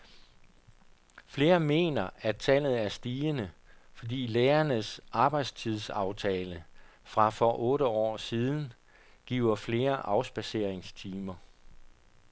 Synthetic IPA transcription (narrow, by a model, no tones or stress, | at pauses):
fle̝ːɐme̝̰ːnɐæt͡sʰæl̰ð̞̩ˠæɐsd̥iːənəfɒ̽dḭːleːɐnəsɑ̈b̥ɑ̈ɪd̥st͡sʰið̞ˠsɑ̈ʊt͡sʰɛːləfʁɑ̈fɒ̽ʔɔ̽ːɾəɒ̰ːsiːð̞ˠn̩ | ɡ̥ḭːʊ̰ɐfle̝ːɐʔɑ̈ʊsb̥æse̝ɐ̰eŋst͡sʰiːmɐ